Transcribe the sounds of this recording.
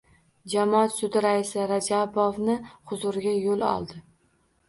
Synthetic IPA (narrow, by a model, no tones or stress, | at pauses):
d͡ʒamɒat̪sʊd̪ɪɾaɪsɪɾad͡ʒabovnɪχʊzʊɾɪɡʲajolˠɒ̰lˠd̪ɪ